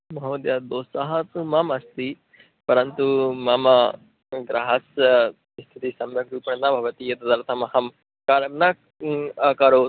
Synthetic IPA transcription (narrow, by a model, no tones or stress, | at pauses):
mɐɦɐmɐd̪jaːd̪oːsɐɦɐt̪umɐmɐst̪i | pɐɾɐnt̪umɐmɐ | ɡɾʔɐ̰ɦɐsɐ | ist̪ʰit̪isɐmɾɐkɾuːpɐɳɐnabʱɐʋɐt̪ijɐt̪ɐd̪ɐɾt̪ʰɐmɐhɐm | kaːɾɐmnɐ | akɐɾoː